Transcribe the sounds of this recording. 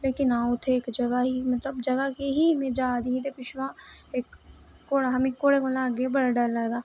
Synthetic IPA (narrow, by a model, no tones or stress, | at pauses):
leːkɪnaːʊt̪ʰeeːkd͡ʒɐɡaɦimɐt̪ləbd͡ʒɐɡakeɦimẽd͡ʒaːd̪iɦit̪epɪʃʋãeːkː | oːɽaɦɐmekːoːɽekolãɡebɐɽaɖɐɾlɐd̪aː